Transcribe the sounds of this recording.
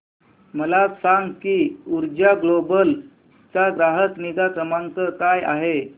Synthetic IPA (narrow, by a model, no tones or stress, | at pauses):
məlasaŋɡkiːuɾd͡ʑaɡlobəl | t͡saɡɾaɦəkniɡ̪akəmaŋɡkəkaja̰ɦe